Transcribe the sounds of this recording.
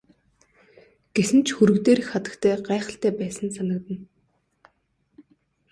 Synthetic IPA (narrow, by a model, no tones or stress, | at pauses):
ɡ̥esɘ̆nt͡ɕʰxuɾɵ̆kt̪eːɾɘ̆xχat̪ə̥̆kt̪ʰæːɢæːχə̆ɬt̪ʰæːpæːsə̆nsanə̆k̚t̪ə̆n